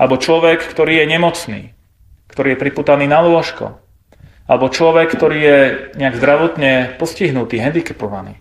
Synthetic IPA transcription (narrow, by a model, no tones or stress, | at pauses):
a̰lɛbɔt͡ʃlɔʋɛkːt̪ɔɾiːjɛɲɛmɔt͡snḭː | kt̪ɔɾiːjɛpɾipuːt̪aniːnalʊɔʃkɔ̰ | ʔalɛbɔt͡ʃlɔʋɛkːt̪ɔɾiːjɛɲɛaɡzd̪ɾaʋɔt̪ɲɛpɔsciɦnut̪iːɦɛnd̪ikɛpɔʋanḭː